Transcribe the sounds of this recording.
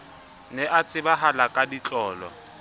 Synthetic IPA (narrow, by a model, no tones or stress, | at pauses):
nɛʔat͡sʼɪbaɦalakʼadit͡ɬʼɔːlɔ̰